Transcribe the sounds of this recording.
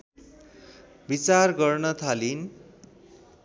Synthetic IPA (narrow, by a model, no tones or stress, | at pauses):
bit͡sarɡʌrnʌt̪ʰalin